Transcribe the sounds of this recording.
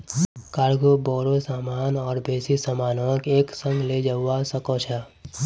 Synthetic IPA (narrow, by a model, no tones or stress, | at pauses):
kaːɾɡobɔːɾosaːmaːnɔːɾbʱeːsisamaːnokeːksə̃ŋɡʱled͡ʒaːasəkot͡ʃʰa